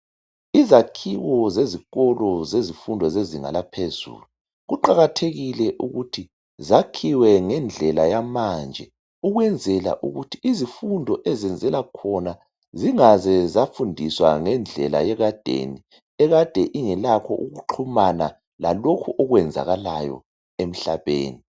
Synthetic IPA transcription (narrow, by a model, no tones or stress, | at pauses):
izakʰiwɔzeziɣɔlɔzezifundʱɔzeziŋa̰lapʰezṵːlu | ɣuǃaɣatʰeɣilɛʔuɣutʰi | zakʰiwɛŋɛnd͡ɮʱɛlajamand͡ʒʱɛ | uɣwɛnd͡zʱɛla̰ʔṵɣutʰiʔizifundʱɔʔɛzɛnd͡zʱɛlakʰɔna | ziŋazɛzafundʱiswa̰ŋɛnd͡ɮʱɛla̰jɛɣad̥ʱḛni | ɛɣad̥ʱɛʔiŋɛlakʰɔʔuɣuǃʰumana | lalokʰuʔɔɣwɛnd͡zʱa̰ɣalajɔ̰ | em̩ɬaβḛːni